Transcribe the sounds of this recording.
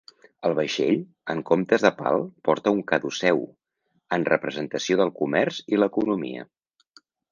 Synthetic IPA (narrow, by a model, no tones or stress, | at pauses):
əlˠβəʃeʎ | əŋkomt̪əzðəpa̰lˠpɔɾt̪əuŋkəðusɛw | ənrəpɾəzənt̪əsioðəlˠkumɛɾziləkunumḭə̰